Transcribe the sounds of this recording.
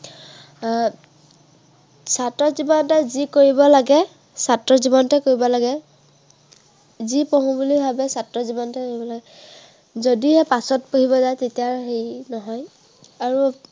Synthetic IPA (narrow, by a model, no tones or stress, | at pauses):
satɹɔzibɔntɛzikoɹibɔlaɡɛ | satɹɔzibɔntɛkoɹibɔlaɡɛ | zipoɦũbulibʱabɛsatɹɔzibɔntɛkoɹibɔlaɡɛ | zodiɦɛpasɔtpoɦibɔzajtetijaɹɦejnɔɦɔj | aɹu